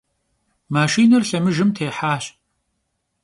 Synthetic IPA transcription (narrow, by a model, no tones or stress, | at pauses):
maːʃiːnɐrɬɐmɨʒɨmtʰeːħaːɕ